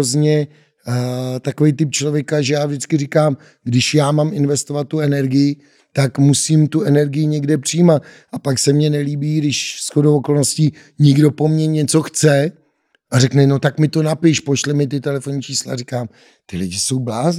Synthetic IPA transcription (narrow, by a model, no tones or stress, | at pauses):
ozɲɛ | t̪ako̞vejt̪ɪp̚t͡ʃlo̞vjɛkaʒɛjaːvʒdɪt͡skɪrɪkaːm | ɡdɪʃjaːmaːmʔɪnvɛst̪o̞vat̪̚ːuɛnɛɾɡɪjɪ | t̪akmusiːmt̪uɛnɛɾɡɪjɪɲɛɡdɛpr̝̥ɪjiːmat̪̚ | ʔapaksɛmɲɛnɛliːbiːɡdɪʃsxodowʔoko̞lno̞sci | ɲɪɡdo̞po̞mɲɛɲɛt͡so̞xt͡sɛ | ʔarɛknɛno̞t̪akmɪt̪o̞napɪʃpoʃlɪmɪt̪̬ɪt̪ɛlɛfo̞nit͡ʃiːsla̰rɪkaːm | t̪ɪlɪɟɪso̞wblaːz